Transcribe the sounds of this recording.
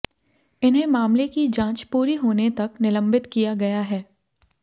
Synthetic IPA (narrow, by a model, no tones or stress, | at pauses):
ɪnɦẽmaːmlekid͡ʒãːt͡ʃpuːɾiɦoːnet̪ɐknɪlə̃mbɪt̪kijaɡɐjaɦɛː